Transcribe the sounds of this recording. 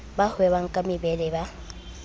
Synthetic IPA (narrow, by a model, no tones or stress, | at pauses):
bahʊɛβaŋ̩kʼamɪbɛlɛba